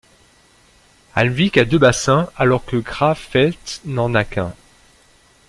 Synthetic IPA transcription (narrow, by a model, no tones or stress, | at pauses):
a̰lvikad̪øbasɛ̃alɔʁkəɡʁafɛt̪nɑ̃nakʲɛ̃